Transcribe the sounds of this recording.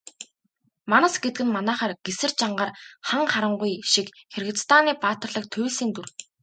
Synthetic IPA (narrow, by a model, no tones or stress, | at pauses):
manə̆sɡet̪̚ɡɘ̆nmanæːχaːrɡesɘ̆rt͡ɕaɴɢaːrχaŋχaɾə̆ɴɢujʃikxerɣɘ̆t͡sst̪ʰaːniːpaːt̪ə̆rɮə̆k̚t̪ʰʊwɮsiːnt̪ur